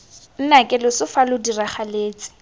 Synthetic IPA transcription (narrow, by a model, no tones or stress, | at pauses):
n̩nakʼɪlʊsʊfalʊdiraχaleːt͡sɪ̥